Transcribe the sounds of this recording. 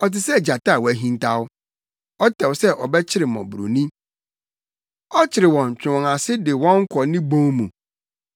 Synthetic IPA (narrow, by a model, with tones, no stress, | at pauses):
ɔ˨t̬ɪ˨sɛ˦˨d͡ʑa˨ta˦˨wɔ˨æ˦ɦĩ˦n˦tʰa˦wʊ˦ | ɔ˦tʰɛ˨wsɛ˦ʔɔ˨bɛ˦t͡ɕʰɪ˦ɾɪ˨mɔ̰̃˨bu˨ɾo̰˨nĩ˦ | ɔ˦t͡ɕʰɪ˨ɾɪ˨wɔ̃˨n˨t͡ɕᶣʊ̃˨ŋa˨sɪ˦dɪ˨wɔ̃˦ŋ˦kʰɔ˨nɪ̃˦bõ˦mũ˨